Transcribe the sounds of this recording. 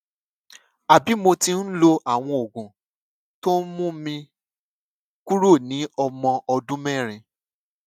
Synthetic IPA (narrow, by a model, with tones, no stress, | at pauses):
a˨bi˨˦mo˧tĩ˧n̩˦lo˧ʔa˦˨w̃ɔ̃˧o˨ɡũ˨ | to˦mũ˦mĩ˧ | ku˦ɾo˦˨nĩ˨˦ɔ˧mɔ̃˧ʔɔ˧dũ˦mɛ̃˦˨ɾ̃ĩ˧